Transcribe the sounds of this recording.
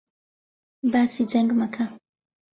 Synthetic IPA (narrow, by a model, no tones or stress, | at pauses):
basid͡zɛŋɡmakʰa